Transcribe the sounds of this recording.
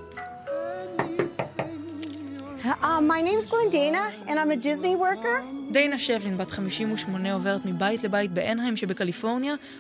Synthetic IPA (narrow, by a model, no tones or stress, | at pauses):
maɪnẽɪ̃mzɡlɛ̃ndeɪnəɨ̃nãɪ̃mɨdɪzniwɜ˞kə˞dejnaʃevlinbatχamiʃimuʃmo̞neo̞ve̞ʁet̪mibaitle̞bait̚beʔenɦajmʃe̞bekalifo̞ʁnja